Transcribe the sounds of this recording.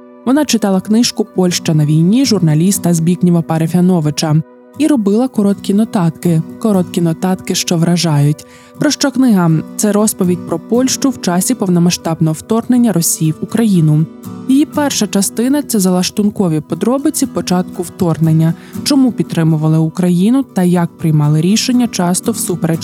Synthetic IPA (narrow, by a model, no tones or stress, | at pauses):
ʋɔnɑt͡ʃɪt̪ɑlˠɐknɪʃkʊpɔlʲʃt͡ʃɐnɐʋʲijnʲiʒʊrnɐlʲist̪ɐzʲbʲiknʲiʋɐpɐɾefʲiɐnɔʋɪt͡ʃɐ | iɾɔbɪlˠɐkɔɾɔt̪kʲinɔt̪ɑt̪kɪkɔɾɔt̪kʲinɔt̪ɑt̪kɪʃt͡ʃɔʋɾɐʒɑjʊtʲ | pɾɔʃt͡ʃɔknɪɦɐt̪sɛɾɔspɔʋʲidʲpɾɔpɔlʲʃt͡ʃʊwt͡ʃɑsʲipɔwnɔmɐʃt̪ɑbnɔɦɔwt̪ɔrne̞nʲːɐɾɔsʲijiwʊkɾɐjinʊ | jijipɛrʃɐt͡ʃɐst̪ɪnɐt̪sɛzɐlˠɐʃt̪ʊnkɔʋʲipɔd̪ɾɔbɪt͡sʲipɔt͡ʃɑt̪kʊwt̪ɔrnenʲːɐt͡ʃɔmupʲid̪t̪ɾɪmʊʋɐlˠɪʊkɾɐjinʊt̪ɐjɐk̚pɾɪjmɑlˠɪɾʲiʃenʲːɐt͡ʃɑst̪ɔwsupɾet͡ʃ